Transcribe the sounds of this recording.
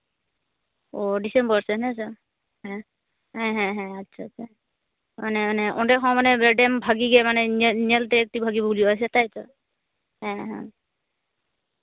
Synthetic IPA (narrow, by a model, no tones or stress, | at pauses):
odisɛmbɔɹsɛnɛsa | hɛ̃ | hɛ̃ɦɛ̃ɦɛ̃atːsʰatsʰa | manɛanɛʔɔndɛxɔ̃manɛbɛdɛmbʱaɡiɡɛmanɛnɛnɛltɛːk̚tibʱaɡibuliɔjs̬ɛtajsɔ | hɛ̃ɦɛ̰̃